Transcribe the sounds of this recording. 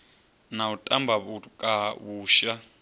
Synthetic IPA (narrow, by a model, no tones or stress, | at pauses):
nautʼambʱaβukʼaβuːʃa